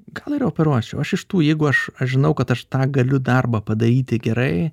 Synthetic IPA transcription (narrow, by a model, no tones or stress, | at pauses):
ɡ̥ɐlˠɪɾoːpʲɛɾuɔt͡ʃʲɛʊɐʃɪʃt̪uːjɛɪɡʊɐʃɐʃʒʲɪnɐʊkɐt̪ɐʃt̪ɑːɡɐlʲʊd̪ɐrbɐːpɐd̪ɐɾʲiːt̪ʲɪɡʲɛɾɐɪ